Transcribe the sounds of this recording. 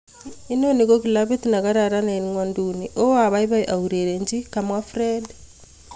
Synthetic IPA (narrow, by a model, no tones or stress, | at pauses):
inonikokilaβit̪nakaɾaɾanainiŋwanduniʔoaβaiβaiʔauɾeɾeɲd͡ʒikamwafɾed